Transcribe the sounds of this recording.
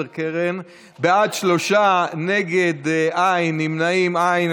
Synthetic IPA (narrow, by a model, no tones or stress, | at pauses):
ʁkeʁen | bead̪ʃlo̞ʃaneɡed̪ʔajnːimnaimajn